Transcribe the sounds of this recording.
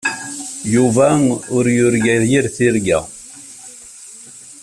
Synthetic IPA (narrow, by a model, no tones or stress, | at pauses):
juvæʊɾjʊɾɡæðjiɾθiɾɡæ̰